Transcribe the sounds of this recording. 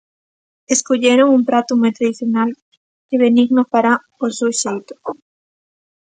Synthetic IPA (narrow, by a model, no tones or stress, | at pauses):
eskoʎeɾoŋumpɾat̪ʊmojt̪ɾaðiθjonal | eβ̞eniɣnʊpaɾa | osuwʃejt̪oʊ̥